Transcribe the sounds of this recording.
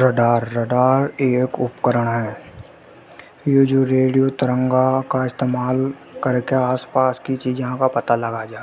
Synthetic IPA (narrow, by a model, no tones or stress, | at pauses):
ɾəɖaːɾːəɖaːɾeːkʊpkəɾəɽ̃ɦɛː | jed͡ʒoːɾeːɽijot̪əɾə̃ŋɡakaɪst̪eːmaːl | kəɾkeaːspaːskit͡ʃiːd͡ʒãkapɐt̪alɐɡad͡ʒaː